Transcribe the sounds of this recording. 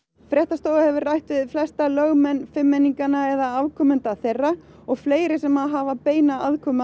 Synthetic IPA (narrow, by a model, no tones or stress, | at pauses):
fɾjɛht̪ast̪oːwahɛvʏɾrajht̪vɪðflɛst̪alœɣmɛnfɪmːɛnːiŋkanaɛðaavkʰɔmʏnt̪aθejrːa | ɔɣfleːjɾɪsɛmaðɦaːvapeːjnaaðkʰɔːma